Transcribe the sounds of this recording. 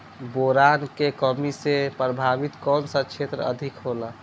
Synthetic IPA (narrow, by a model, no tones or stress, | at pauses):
boɾankekəmisepɾəbʱaʋit̪kɔːnsət͡ʃʰet̪ɾəə̰d̪ʱikɦola